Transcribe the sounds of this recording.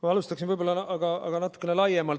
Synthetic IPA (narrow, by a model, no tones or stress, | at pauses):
mɑɑlust̪ɑksinvɯjbolːɑnɑʔɑɡ̥ɑɑ̰ɡ̥ɑnɑt̪ːˑu̥kːˑenelɑjːemɑl